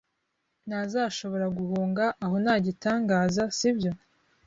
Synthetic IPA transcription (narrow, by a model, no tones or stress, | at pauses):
nazaːʃo̞βo̞ɾaɡuhuːŋɡaʔːho̞naːɟitaːŋɡaːzasibjo̞